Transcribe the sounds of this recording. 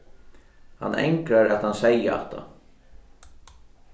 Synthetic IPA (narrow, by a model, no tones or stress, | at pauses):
ha̰nːʔɛ̰ŋkɾaɾɛt̪hansɛjəa̰t̪a̰